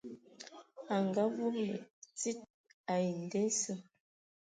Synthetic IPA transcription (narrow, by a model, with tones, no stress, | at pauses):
a˨ŋɡa˦vu˦klə̰˨t͡si˦t̚ | a˨ji˨n˨de˦sə˦